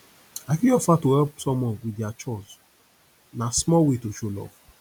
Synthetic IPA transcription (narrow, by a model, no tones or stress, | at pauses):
akiɔfatohɛlpsɔmɔwidjat͡ʃɔz | nasmɔwetoʃolɔ̰f